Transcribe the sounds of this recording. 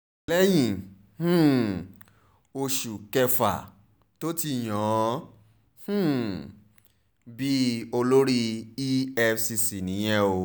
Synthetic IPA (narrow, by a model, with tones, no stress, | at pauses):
lɛ˦j̃ĩ˨ | h̩˦˨ | o˧ʃu˨kɛ˧fa̰˨ | to˦ti˧˨j̃ɔ̃˨˦ | h̩˦ | bi˦o˧lo˦ɾi˦i˦ɛ˧fsi˧si˨nĩ˨˦j̃ɛ̃˦o˧